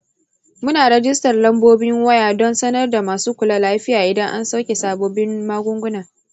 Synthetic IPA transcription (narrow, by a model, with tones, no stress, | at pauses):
mʊ˦naː˨ɾɐ˦d͡ʒɪ˦stɐ˨rlɐ˦mboː˦bɪ˦ŋwɐ˦jaː˨dɔ˦nsɐ˦nɐ˦rda˨maː˨suː˦kʷʊ˨la˦laː˦ɸɪ˦jaː˨ʔɪ˨dɐ˦ŋʔa˦nsa˦wkʲe˨saː˨boː˦bɪ˦mmaː˦ɡʷʊ˦ŋɡʷʊ˦naː˨